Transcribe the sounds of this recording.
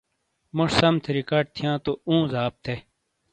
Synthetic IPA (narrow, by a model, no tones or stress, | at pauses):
mʊʂsɐmt̪ʰeɾikaːɖ̚t̪ʰijãːt̪oũːzaːb̚t̪ʰe